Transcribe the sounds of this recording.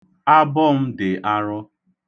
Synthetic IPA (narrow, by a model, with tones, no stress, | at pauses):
a˦bɔ˦m̩˦dɪ˨ʔa˦ɾɔ˦